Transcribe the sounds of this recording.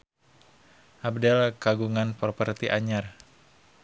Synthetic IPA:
ʔab̚dɛlkaɡuŋanpərpərt̪iʔaɲar

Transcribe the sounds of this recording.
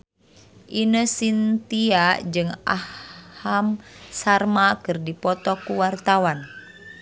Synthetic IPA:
ʔinəsint̪iad͡ʒɨŋahhamsarmakɨrdipɔt̪ɔkuwart̪awan

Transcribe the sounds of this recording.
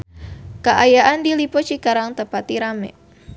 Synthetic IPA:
kaʔajaʔandilipɔt͡ʃikaɾaŋt̪əpat̪iɾamɛ̰

